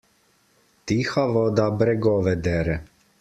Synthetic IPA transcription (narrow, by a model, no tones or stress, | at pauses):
t̪ixaʋɔd̪abɾɛɡɔʋɛd̪ɛɾɛ